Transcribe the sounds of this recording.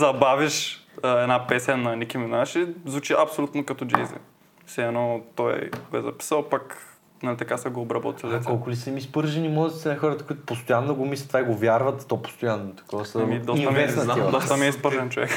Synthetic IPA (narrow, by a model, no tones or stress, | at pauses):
zɐbaviʃəɛnapɛsʲjɐnɐnikiminaʃizvut͡ʃiʔɐpsolʲut̪nokɐt̪ɔd͡ʒɛjzə̰ | sɛɛnɔt̪ɔjɡoɛzɐpi̥səlˠpak | nɐlʲit̪ɐkasɛɡoːbɾɐbɔ̰t̪izkɔlˠkʊlisɛmispɤɾʒɛnimɔzɐt̪sɛnɐxɔɾət̪ə̥kʊit̪ʊ̥post̪ojanːoɡomis̬ʲət̪vaiɡovʲjaɾvɐt̪ːɔpo̥st̪ojanːot̪ɐ̥kɔvəsɐmid̪ɔsiɐmɛsɐd̪ɔst̪ɐmiɛispəɾʒɛnt͡ʃovɛ̰k